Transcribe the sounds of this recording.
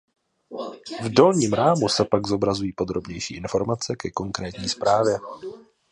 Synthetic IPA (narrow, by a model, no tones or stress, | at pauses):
vdo̞lɲiːmɾaːmusɛpaɡzo̞bɾazujiːpo̞d̪ɾo̞bɲɛjʃḭːʔɪnfo̞ɾmat͡sɛkɛko̞ŋkɾɛːt̪ɲiːspɾaːvjɛ